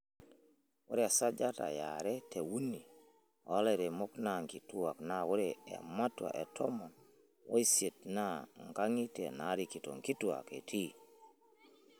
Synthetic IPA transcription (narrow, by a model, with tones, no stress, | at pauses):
wo˦ɾɛ˦a˨sa˦d͡ʒa˦ta̰˨ja̰ɾɛ˦tʰe˨wu˦nḭ | a˦lɛ˨ɾe˨mɔ˦knaŋki˨tu˦a˨knawo˦ɾɛɛ̰˨ma˦twa̰˨ʔɛ˨tʰɔ˦mɔ˨ | wo˦i˦se˨t̚naŋɡa˦ŋi˦tɛ˨na˦ɾiki˨tɔ̰˨ŋki˦tua̰ke˨tʰi